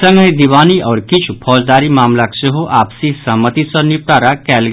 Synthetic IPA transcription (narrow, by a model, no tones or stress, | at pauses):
sə̃ŋɡəjd̪iʋaniʔɔɾkit͡ʃʰupʰɔd͡zd̪aɾiːmamlakseɦoʔapsisəɦmət̪isɔnip̚t̪aɾakɛlɡ